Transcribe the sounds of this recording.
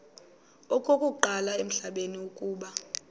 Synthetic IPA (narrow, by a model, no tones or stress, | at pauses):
ɔkʼokʼuǃalaem̩ɬaɓeniukʼuːɓa